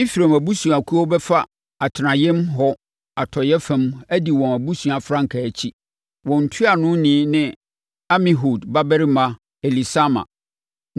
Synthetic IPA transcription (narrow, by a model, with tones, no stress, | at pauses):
ɪ˦fi˨ɾã˨mæ˨bu˦sũ˨a˨kʰu˦ɔ˦bɛ˦fa˦ | a˨tʰɪ˨nã˨jɪ̃˦mɦɔ˦ | a˨tʰɔ˨jɛ˦fɛ̃˦mæ˦di˨wɔ̃˨æ˨bu˦sũ˨a˨fɾã˦ŋ̩˨kʰa˨æ˨t͡ɕʰi˦ | wɔ̃˨n̩˨tʰʊ˦a˨nʊ̃˦nɪ̃˨˦nɪ̃˦ | a˦mĩ˨ɦo˨dba˦bɛ˦ɾi˦mã˨ | ɛ˨li˨sa˦mã̰˨